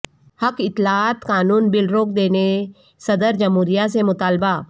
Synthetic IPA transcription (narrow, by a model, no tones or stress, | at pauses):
hɐkɪt̪ːlaaːt̪kaːnuːnbɪlɾoːk̚d̪eːne | sɐd̪əɾd͡ʒɐmɦuːɾijasemʊt̪aːlbaː